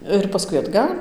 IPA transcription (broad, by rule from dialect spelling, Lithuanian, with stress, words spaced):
ɪr pɐˈskʊɪ ɐdˈɡɐlʲ